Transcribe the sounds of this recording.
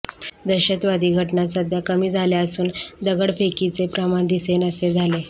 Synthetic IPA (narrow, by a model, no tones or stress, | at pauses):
d̪əɕət̪ʋad̪iːɡʱəʈnasəd̪ʱjakəmiːd͡zʱaljaəsuːnd̪əɡəɽfekit͡sepɾamaɳd̪isenəsed͡zʱale